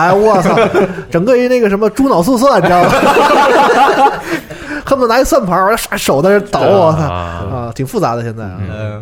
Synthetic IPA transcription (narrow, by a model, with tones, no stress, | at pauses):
a˧˩wa˧˩sa˥˧ʈ͡ʂɤ˨˩ŋɡə˥˧y˧˥na˥˩ɡə˩ʂə˧˥mə˧ʈ͡ʂu˥nɑ˨˩ʊs̬u˥˧s̬wɔ˥˩˨pi˧jɑ˥˩˨ | kʰa˥˩mə˧˩na˧˥i˨˩swa˥˩npʰa˧˥˧ʂa˧˥ʂo˨˩ʊd̪ə˧˥ʂ̩˥t̪ɑ˨˩˦ʊ˧˩sa˥˩ə˧˩t̪ʰi˨˩ŋfu˥˩t͡sa̰˧˥d̪ə˧ɕjɛ˥˧nt͡sa˥˩ɪ˩